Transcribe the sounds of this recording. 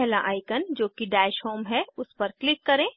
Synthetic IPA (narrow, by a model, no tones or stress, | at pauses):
ɦla̰ʔaːɪkənd͡ʒoːkiɖɛːʃhoːmɦɛʊspɐɾklɪkːɐɾẽː